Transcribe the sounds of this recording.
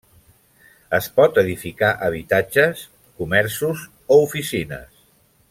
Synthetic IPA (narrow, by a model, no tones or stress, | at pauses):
əspɔt̪əðifikaʔəβ̞it̪ad͡ʒəs | kumɛɾsuz | oufisinə̰s